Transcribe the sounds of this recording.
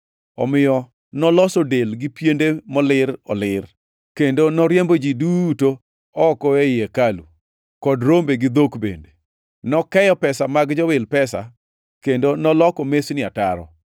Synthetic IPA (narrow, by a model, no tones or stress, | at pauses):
ɔ̰mɪjɔ | nɔlɔsodelɡɪpjendemɔlɪɾɔlɪr | kendonɔɾjembod͡ʒiduto | ɔkɔeɪjekalṵ | kɔdɾombeɡɪd̪okbḛnde | nɔkɛjɔpɛsamaɡd͡ʒɔwɪlpɛsa̰ | kendonɔlɔkɔmesnɪataɾɔ̰